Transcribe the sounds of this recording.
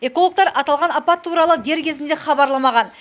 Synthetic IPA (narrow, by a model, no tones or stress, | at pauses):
e̞ko̞lˠo̞k̚t̪ɑɾʔɑt̪ɑlˠʁɑnɑpɑt̪ʰːuɾɑlˠəd̪e̞ɾkʲʰe̞zɪnd̪e̞χɑbɑɾlˠɑmɑʁɑn